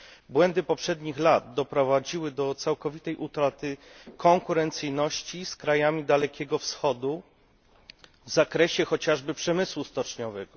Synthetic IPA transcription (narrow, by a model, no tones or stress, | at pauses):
bwɛnd̪ɘpɔpʂɛd̪ɲixlad̪̚d̪ɔpɾɔvad͡ʑiwɘd̪ɔt̪sawkɔvʲit̪ɛjʔut̪ɾat̪ɘkɔŋkuɾɛnt̪sɘjnɔɕt͡ɕiskɾajamʲid̪alɛkʲɛɡɔfsxɔd̪u | vzakɾɛɕɛxɔt͡ɕaʐbɘpʂɛmɘswust̪ɔt͡ʂɲɔvɛɡɔ